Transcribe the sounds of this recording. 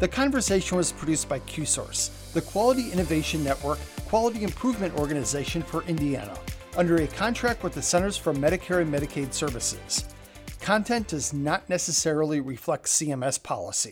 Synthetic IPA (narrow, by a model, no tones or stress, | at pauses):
ðɨkʰɑ̃ɱvə˞seɪʃɨ̃nwʌz̥pʰɹ̥ɨdʉsb̥aɪkʰj̥ʉsɔ̰ɹs | ðɨkʰw̥ɑlˠəɾiʔɪ̃ñɨveɪʃɨ̃nːɛʔwə˞kʰːw̥ɑlˠəɾiɨ̃mpʰɹ̥uvmɨ̃ntɔɹɡɨnɨzeɪʃɨ̃nfə˞ʔɪ̃ndiæ̰nə̰ʔʌ̃ndə˞ɨkʰɑ̃ntʰɹ̥æk̚t̚wəðɨsɛ̃ñə˞z̥fə˞mɛɾɨkʰɛɹimɛɾɨkʰeɪd̥sɜ˞vɨsɪ̰z̥ | kʰɑ̃ntʰɛ̃nd̥ʌznətⁿnɛsɨsɛɹl̩ˠiɹɨflɛk̚tsiɛ̃mɛspʰɑ̰lˠə̰si